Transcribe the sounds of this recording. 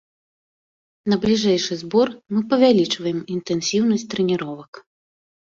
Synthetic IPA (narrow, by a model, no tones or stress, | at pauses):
nɐblʲiʐɛjʂɨzbɔrmɨpɐvʲalʲit͡ʂvɐjɛmint̪ɛnsʲiwnɐsʲtʲt̪ɾɛnʲiɾɔvɐk